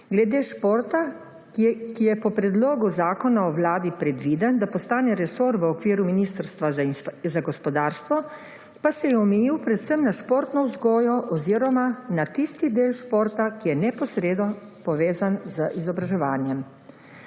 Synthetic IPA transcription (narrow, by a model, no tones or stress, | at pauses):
ɡlɛd̪eːʃpoːɾt̪a | kijɛpɔpɾɛd̪loːɡuzaːkɔnaɔwlaːd̪ipɾɛd̪ʋiːd̪ənd̪apɔst̪aːnɛɾɛsoːɾʋəɔkʋiːɾuminiːst̪əɾst̪ʋazaɡɔspɔd̪aːɾst̪ʋɔ | pasɛjɛɔmɛjiwpɾɛt̪səmnaʃpoːɾt̪nɔwzɡɔːjɔʔɔziɾɔmanat̪ist̪id̪eːlʃpoːɾt̪akijɛnɛpɔsɾeːd̪nɔ | pɔʋeːzanzəʔizɔbɾaʒɛʋaːnjɛm